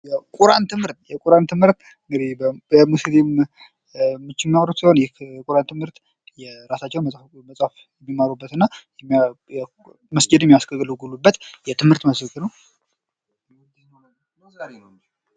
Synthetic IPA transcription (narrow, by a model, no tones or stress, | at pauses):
jɛkʼuɾant̪ʰɨmhɨɾt̪jɛkʼuɾant̪ʰɨmhɨɾt̪ | ɨŋɡɨd̪ihbbəmused̪im | mːɨt͡ʃːɪmːiaɾut̪siho̞njɛkʼuɾant̪ʰɨmhɨɾt̪ | jɛɾasat͡ʃːɛw | məsʼaf | jɛmːimaɾubːət̪ɨnːajɛmː | məsd͡ʒɨd̪jɛmiasɡəɡlɡulubːət̪jɛt̪ʰɨmhɨɾt̪məsəkʼinəw